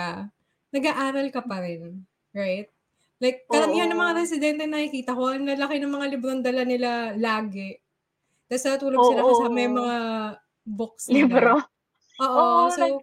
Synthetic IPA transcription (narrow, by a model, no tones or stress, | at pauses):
a | nɐɡaʔaːɾɐlkɐpɐɾɪn | ɹajt̪̚ | lajk̚ːɐɾɐmiːhɐnːɐŋmɐŋaɾɛsɪd̪ɛnt̪ɛnɐkikiːt̪ɐkonɐlɐkɪnɐŋmɐŋalɪbɾoŋd̪ɐlɐnɪlalaːɡɛ | t̪ɐsɐt̪uːloɡsɪlaɐsɐmɐjmɐŋa | bok̚slibɾo | ʔoːʔosow